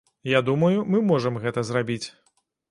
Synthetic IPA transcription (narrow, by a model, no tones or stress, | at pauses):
jad̪umɐjumɨmɔʐɐmɣɛt̪ɐzrabʲit͡sʲ